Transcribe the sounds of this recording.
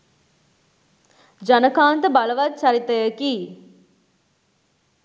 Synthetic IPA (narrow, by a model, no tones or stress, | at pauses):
d͡ʒɐnɐkaːnt̪əbɐlɐʋɐt͡ʃɐɾit̪ːɐjɐki